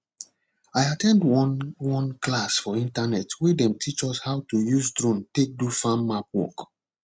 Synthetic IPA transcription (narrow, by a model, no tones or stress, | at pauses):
ajatʰɛ̃ndwwɔ̃nklasfɔĩntanɛtwedɛ̃mtʰit͡ʃɔshaʊtujuzdɹõntek̚dufãmːap̚wɔ̰k